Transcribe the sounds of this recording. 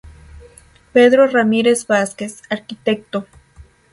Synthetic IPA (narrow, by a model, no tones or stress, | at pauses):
peðɾoramiɾe̞zbaske̞saɾkit̪ek̚t̪o